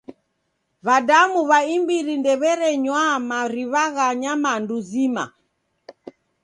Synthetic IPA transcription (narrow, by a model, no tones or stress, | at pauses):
βadamuβaimbiɾindɛβɛɾɛɲwamaɾiβaɣaɲamanduzima̰